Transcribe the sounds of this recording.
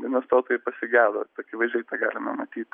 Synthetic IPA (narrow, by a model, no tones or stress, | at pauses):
d̪ʲiɛnost̪oːt̪oːjɛpɐsʲɪɡʲæːd̪o̰ːt̪ːɐkʲɪʋɐɪʒʲɛɪt̪ɑːɡɑːlʲɪmɐmɐt̪ʲiːt̪